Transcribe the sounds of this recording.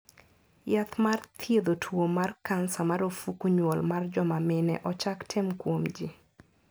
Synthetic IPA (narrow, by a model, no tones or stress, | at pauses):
jat̪mart̪ʰjed̪otʰwomarkansamaɾofukuɲwolmard͡ʒɔmamɪnɛ̰ʔɔt͡ʃaktʰɪmkwomd͡ʒi